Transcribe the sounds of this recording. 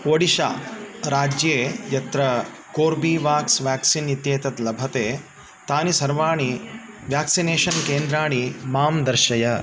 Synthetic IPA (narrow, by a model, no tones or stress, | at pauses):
ʋɐɽiʃa̰ːɾaːd͡ʒjeːjɐt̪ɾɐ | koːɾbiːʋaːksʋjaːksinit̪jeːt̪ɐt̪lɐbʱɐt̪eː | t̪aːnisɐɾʋaːɳ̃i | ʋjaːksineːʃɐnkeːnd̪ɾaːɳ̃imaːmd̪ɐɾʃɐjɐ